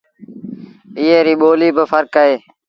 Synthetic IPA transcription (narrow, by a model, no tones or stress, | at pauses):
ɪːeːɾiːɓoːliːbəfʰəɾkəɦeː